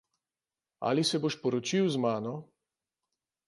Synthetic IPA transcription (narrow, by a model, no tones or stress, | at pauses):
a̰lisɛboʃpɔɾɔt͡ʃiwzmaːnɔ